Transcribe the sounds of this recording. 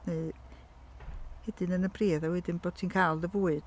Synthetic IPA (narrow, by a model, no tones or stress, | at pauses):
ne | hɛdɪnənəbriːðawɛdɪnboːd̥̚tʰiːnkʰaːlˠðəvuːɨd̥